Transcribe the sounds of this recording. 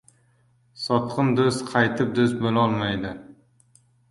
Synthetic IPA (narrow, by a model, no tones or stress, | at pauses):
sɒt̪qʰɨnd̪ozqʰɑjt̪ʰɪp̚d̪ozbolɒlˠmajd̪ɪ